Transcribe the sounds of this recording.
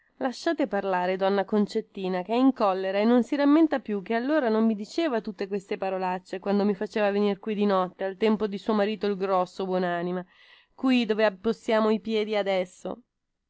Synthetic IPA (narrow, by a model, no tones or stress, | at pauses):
laʃːaːt̪eparlaːɾed̪ɔnːakont͡ʃet̪ːiːnakeɛiŋkɔlːeɾaenːonsiɾamːent̪apjuk̟ːealːoːɾanomːid̪it͡ʃeːvat̪ut̪ːekwest̪epaɾolat͡ʃːekwand̪omifat͡ʃeːvavenirkwid̪inɔt̪ːealt̪ɛmpod̪isuomaɾiːt̪oilɡɾɔsːobwɔnaːnima | kwid̪oːveapːost̪ːjaːmoipjɛːd̪iad̪ɛsːo̰